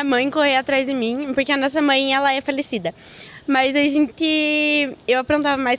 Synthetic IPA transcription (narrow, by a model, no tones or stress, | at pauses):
ɐmɐ̃j̃kohewat̪ɾazd̪ɪmĩpoɾkeɐnɔsɐmɐ̃j̃ɛlɐɛfalesid̪ɐ | mɐzaʒẽnt̪ɪ | ewapɾõnt̪avɐmajs